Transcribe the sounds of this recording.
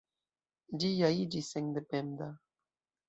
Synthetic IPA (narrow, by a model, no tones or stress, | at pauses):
d͡ʒijaid͡ʒiseŋd̪epend̪a